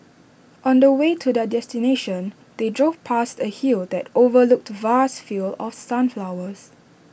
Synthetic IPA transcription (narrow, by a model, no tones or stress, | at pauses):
ʔɔ̃ndəwetʰudədɛstineʃɔ̃n | d̥edɹovpʰastəhildɛtovəlʊk̚tvastfilɔ̰fsãnflawəs